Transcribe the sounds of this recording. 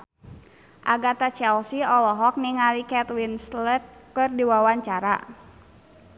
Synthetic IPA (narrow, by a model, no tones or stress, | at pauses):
ʔaɡat̪at͡ʃɛlsiɔlɔɦɔk̚niŋalikɛt̪winslɛt̪̚kɨrdiwawaɲt͡ʃaɾa̰